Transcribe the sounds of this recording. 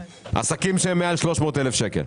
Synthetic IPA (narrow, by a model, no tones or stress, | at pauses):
ʔa̰sakimʃeemːealʃloʃmoːt̪elefʃekḛl